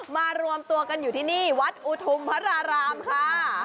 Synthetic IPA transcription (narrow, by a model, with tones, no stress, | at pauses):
maː˧ɾu˧əmt̪u˧ɐka˧njuː˨˩t̪ʰiː˥˩niː˥˩wa˦˥t̪̚ʔu˧˥t̪ʰu˧mpʰa˦˥ɾaː˧ɾaː˧mkʰaː˥˩